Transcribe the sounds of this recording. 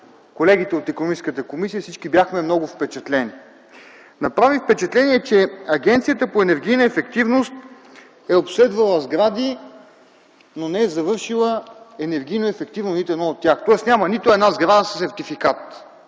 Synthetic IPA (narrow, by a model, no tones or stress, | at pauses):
kolɛɡ̟it̪ɛot̪ɛkonomiskət̪əkomisijəsit͡ʃkibjaxmɛmnɔɡʊfpɛt͡ʃɛt̪lɛni | nɐpɾavifpɛt͡ʃɛt̪lɛniɛt͡ʃɛɐɡʲɛnt̪sijət̪əpoɛnɛɾɡʲijnəɛfɛkt̪ivnost̪ | ɛopslɛd̪vəlˠəzɡɾad̪i | nonɛɛzɐvɤɾʃilˠəɛnɛɾɡʲijnoɛfɛk̚t̪ivnosnit̪ɛd̪nɔot̪ʲːjaxt̪ɔɛsnʲamənit̪ʊɛd̪nazɡɾad̪əssɛɾt̪ifikat̪